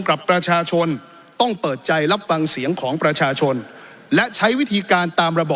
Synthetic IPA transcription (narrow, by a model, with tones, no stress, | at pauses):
ŋkɾa˨˩pːɾa˧t͡ɕʰaː˧t͡ɕʰo˧n | t̪ɔ˥˩ŋpɤː˨˩t̪̚t͡ɕa˧jɾa˦˥p̚fa˧ŋsi˩˦əŋkʰɔː˩˦ŋpɾa˧t͡ɕʰaː˧t͡ɕʰo˧n | lɛ˦˥t͡ɕʰa˦˥jwi˦˥t̪ʰiː˧kaː˧nt̪aː˧mɾa˧bɔː˨˩